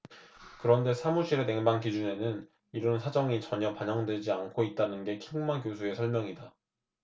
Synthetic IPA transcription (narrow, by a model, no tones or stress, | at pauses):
kɯɾʌnde̞sʰamuɕʰiɾe̞ne̞ŋbaŋkid͡ʑune̞nɯn | iɾɯnsʰad͡ʑʌŋit͡ɕʌɲʌpaɲʌŋded͡ʑiankʰoit̚t͈anɯnɡe̞kʰiŋmankjosʰue̞sʰʌɭmʲjʌŋida